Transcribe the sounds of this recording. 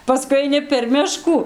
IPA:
pɐˈskʊɪ ɐɪˈnʲɪ pʲɛr ˈmʲɪʃkuː

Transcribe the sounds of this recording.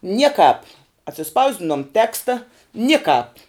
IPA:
ˈnʲiɛkɑːp ɐtʲsʲɪˈspɐʊzʲdʲɪnoːm ˈtʲæːkstɐ ˈnʲɪkɑːp

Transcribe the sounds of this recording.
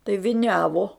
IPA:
tɐɪ ʋʲɪˈnʲæːʋoː

